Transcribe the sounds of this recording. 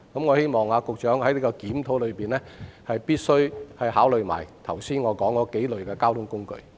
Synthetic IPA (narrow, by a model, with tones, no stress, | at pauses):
kɐ˨˥mŋɔː˨˧he˥jmɔː˨˩ŋaː˧kʊ˨k̚t͡ʃœː˨˥ŋhɐ˨˥jnli˨˥kɔː˧kiː˨˥mt̪ʰo˨˥wlɵ˨˧ɥpiː˨˩nlɛː˥hɐ˨jpiː˥t̚sɵ˥ɥhɐ˨jhaː˨˥wlɵ˨ɥma̰ː˨˩jt̪ʰɐ˨˩wsiː˥nŋɔː˨˧kɔː˨˥ŋːɔː˨˧ke˨˥jlɵ˨ɥkɛː˧kaː˥wt̪ʰʊ˥ŋkʊ˥ŋkɵ̰˧ɥ